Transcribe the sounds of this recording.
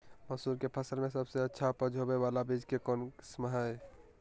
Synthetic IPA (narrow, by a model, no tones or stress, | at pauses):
məsuɾkepʰəsəlmesəbseətːʃʰapəd͡ʒʱɦobeβalabid͡ʒʱkekonksməɦəj